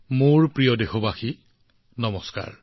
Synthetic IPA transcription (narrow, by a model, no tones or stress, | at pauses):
muɹpɹijɔdexɔbaxi | nɔmɔska̰ɹ